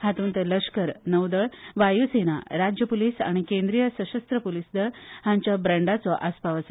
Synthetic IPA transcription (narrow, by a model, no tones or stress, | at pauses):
hat̪uːnt̪ələʂkəɾnəwd̪əɭʋajusena̰ɾad͡ʑjəpuliːsa̰ɽ̃ikẽnd̪ɾijəsəɕəst̪ɾəpulisd̪əɭhãɲt͡ɕjabɾəɳɖat͡sɔʔaspaʋəs